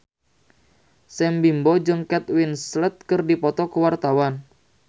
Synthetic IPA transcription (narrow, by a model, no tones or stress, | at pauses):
sɛmbimbɔd͡ʒəŋkɛt̪winslət̪̚kərdipɔt̪ɔkəwart̪awan